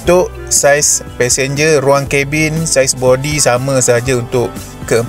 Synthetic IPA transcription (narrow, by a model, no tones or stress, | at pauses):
t̪ʊʔ | sajspɛsɛnd͡ʒəruaŋkɛbinsajsbɔdisamãsəɦad͡ʒaunt̪ʊʔ | kəəm